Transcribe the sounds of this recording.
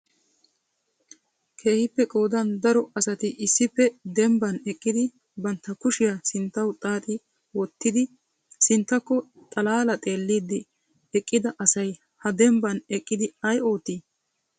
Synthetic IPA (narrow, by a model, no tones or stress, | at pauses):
kʰe̞ːhɪpːɛkʼo̞ːd̪ɐnd̪ɐɾɔɐsɐt̪ɪʔɪsːɪpːɛd̪ɛmbɐnɛkʼːɪd̪ɪ | bɐnt̪ːɐkʊʃɪjasɪnt̪ːɐwt̪ʼaːt̪ʼɪ | wɔt̪ːɪd̪ɪ | sɪnt̪ːɐkːɔ | t̪ʼɐlaːlɐt̪ʼe̞ːlːiːd̪ːɪ | ɛkʼːɪd̪ɐʔɐsɐj | hɐd̪ɛmbɐnɛkʼːɪd̪ɪɐjo̞ːt̪ːiː